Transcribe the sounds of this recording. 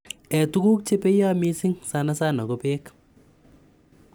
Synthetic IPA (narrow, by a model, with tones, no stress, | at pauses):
ɛ˨tu˦ku˦k̚t͡ʃe˦pe˦ja˦mi˦si˦ŋsa˦na˦sa˦na˨kɔ˦peː˦k